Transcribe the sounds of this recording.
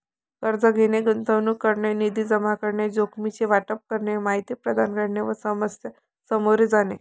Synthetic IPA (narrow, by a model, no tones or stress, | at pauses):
kəɾd͡zəɡʱeneɡənt̪əʋnukːəɾɳenid̪iːd͡zəmakəɾɳed͡zokmit͡ɕeʋaʈəp̚kəɾɳemaɦit̪iːpɾəd̪ʱanɡəɽɳeʋəsəməsjə | səmoɾed͡zane